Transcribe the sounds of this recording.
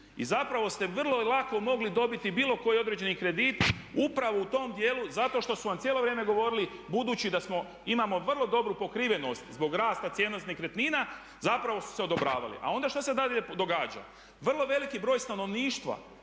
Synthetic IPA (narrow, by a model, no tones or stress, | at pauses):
ḭzapɾaʋo̞st̪e̞ʋr̩lˠo̞lako̞mo̞ɡlid̪o̞bit̪ibiːlˠo̞ko̞jio̞d̪ɾe̞d͡ʑe̞nikɾe̞d̪it̪upɾaʋout̪o̞md̪jeːluzat̪o̞ʃt̪o̞suʋamt̪sjeːlo̞ʋɾjeːme̞ɡo̞ʋo̞ɾilibud̪uːt͡ɕid̪asmo̞ | imamo̞ʋr̩lˠo̞d̪o̞bɾupo̞kɾiːʋe̞no̞st̪zbo̞ɡɾaːst̪at̪sje̞nosnikɾet̪niːna | zapɾaʋo̞su̥se̞od̪o̞bɾa̰ːʋa̰lḭʔa̰o̞nd̪aʃt̪osed̪aed̪o̞ɡaːd͡ʒa̰ | ʋr̩lˠo̞ʋe̞likibɾo̞ːjst̪ano̞ʋniːʃt̪ʋa̰